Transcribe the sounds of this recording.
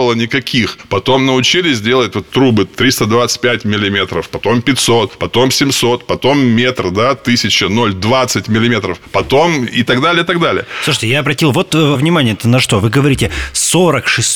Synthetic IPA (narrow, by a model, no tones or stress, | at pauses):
əlˠənʲɪkɐkʲʰixpɐt̪o̞mnəʊt͡ɕilʲɪsʲzʲdʲe̞lˠətʲvot̪ːɾubɨt̪ɾʲist̪əd̪vat̪sɨ̥t̚ʲpʲætʲmʲɪlʲɪmʲe̞t̪ɾəfpɐt̪o̞mpʲɪtʲso̞t̪̚pɐt̪o̞msʲɪmso̞t̪pɐt̪o̞mːʲet̪rd̪at̪ɨsʲɪt͡ɕɪno̞lʲd̪vat̪sɨtʲmʲɪlʲɪmʲe̞t̪ɾəfpɐt̪o̞mɪt̪ɐɡd̪alʲɪjət̪ɐɡd̪alʲɪ̰jəsˠuʂə̥tʲɪjaɐbɾɐtʲilˠvo̞t̪vnʲɪmanʲɪjət̪ənɐʂt̪o̞vɨɡəvɐɾʲitʲɪso̞ɾəkʂɨs